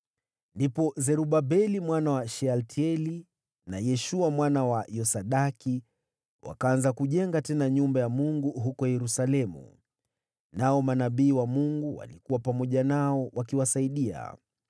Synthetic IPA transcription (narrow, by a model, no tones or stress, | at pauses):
ndipɔzɛɾuɓabɛlimwanawaʃɛaltʰiɛli | najɛʃuamwanawajɔsaɗaki | wʔa̰kaanzakuʄɛŋɡatɛnaɲumbajamuŋɡuɦukɔjɛɾusalɛmṵ | naɔmanaɓiːwamuŋɡuwa̰likuwapamɔʄanaɔwakiwasaiɗia̰